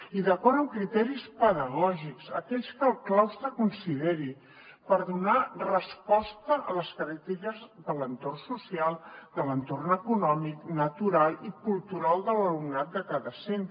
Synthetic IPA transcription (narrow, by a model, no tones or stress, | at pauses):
iðəkɔɾəmkɾit̪ɛɾispəðəɣɔʒikzəkɛʎskəlˠklawst̪ɾəkunsiðeɾi | pəɾðunarəspɔst̪əʔələskɾɛt̪ikəzðələnt̪ornsusialˠd̪ələnt̪ornəkunɔmiknət̪uɾalˠikulˠt̪uɾalˠd̪ələlumnat̪̚d̪əkaðəsent̪